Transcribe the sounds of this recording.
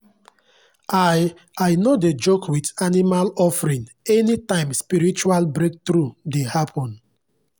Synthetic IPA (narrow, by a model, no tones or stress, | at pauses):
ʔaj | ajnoded͡ʒokʰwitanimalɔfɾĩn | ɛnitãɪ̃mspiɹit͡ʃualbɹek̚tɾudehapʰɔ̃n